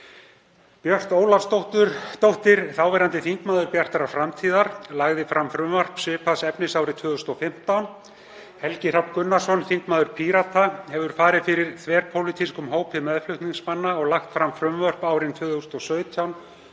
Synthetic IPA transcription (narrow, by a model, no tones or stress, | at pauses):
pjœr̥t̪oːwlaɾst̪owht̪ʏɾt̪owht̪ɪɾθawvɛɾant̪ɪθiŋkmaːðʏɾpjar̥t̪aɾafɾamt̪ʰiːðaɾlaɣðɪfɾamfɾʏmvœr̥psɪːpʰaðsɛpnɪsaːwɾɪt̪ʰvʏːðʏst̪ɔfɪm̥t̪awn | hɛlcɪr̥apkʏnːasɔnθiŋkmaːðʏɾ̥pʰiɾat̪ʰahɛvʏɾ̥faːɾɪðfɪɾɪɾ̥θvɛːɾpʰowlɪt̪ʰiskʏmɦoːwpʰɪmɛðflʏht̪niŋsmanːaɔɣlaxt̪fɾamfɾʏmvœr̥paːwɾɪnt̪ʰvʏːðʏst̪ɔsœːɥt̪ʰjawn